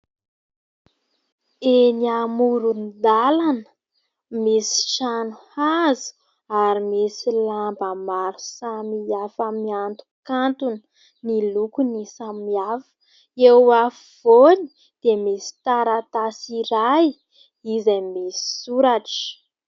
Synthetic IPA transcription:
eniamuɾunid̪alanə̥ | mesi̥ʃanuhazi̥ | aɾimesilambəmaɾusamiafamiant̪u̥kant̪unə | nilukunisamiafə̥ | ewa | v̥oni̥ | d̪̥emesi̥t̪aɾat̪asiɾaj | izamesi̥suɾaʈ͡ʂ

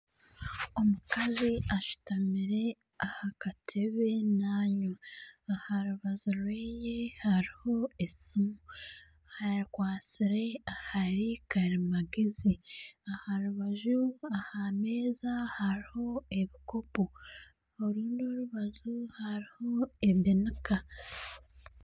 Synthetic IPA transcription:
o̞mukaziaʃu̥tamiɾe̞ | ahakatʰe̞βe̞naːɲoahaɾuβazuɾweːjehaɾiho̞e̞simu | hajakwaːt͡siɾe̞ahaɾikaɾimaɡeziahaɾuβaʒuahame̞ːzahaɾiho̞e̞βiko̞po | oɾuːndio̞ɾuβazuhaɾiho̞e̞βinika

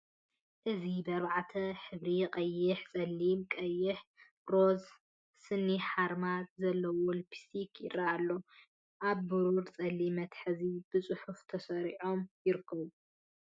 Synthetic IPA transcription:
ʔɨzibɐβaʕat̪ʰɐħɨβɾiqʼɐjːɪħt͡sʼɐlːimkʼɐjːɪħ | ɾo̞z | sɨnːiħaɾmazɐlːɐwolpʰi̥sikʰjɪraalːo̞ | ʔaβːuɾuɾt͡sʼɐlːimɐt̪ħɨzib̥ɨt͡sʼʊħuft̪ʰɐsɐɾiʕo̞mjɪɾɨkʰːɐβu

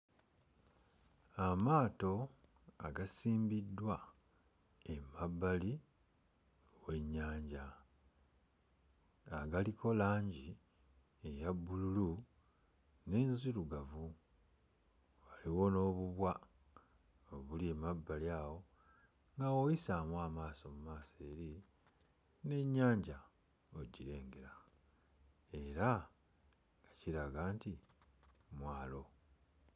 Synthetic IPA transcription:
amaːto̞ | a̰ɡasiːmbidːwa | emabːali | we̞ɲːaːɲɟa | aɡalikʰo̞laːɲɟi | ejabːululu | ne̞ːnziluɡavu | waliwo̞no̞ːβuβwa | oβulemabːaljaːwo̞ | ŋɡawojisaːmwaːmaːso̞mumaːseːɾi | ne̞ɲːaːɲɟa | oɟiɾe̞ːŋɡeɾa | e̞ɾa | ŋɡaciɾaɡaːnti | mwaːlo̞

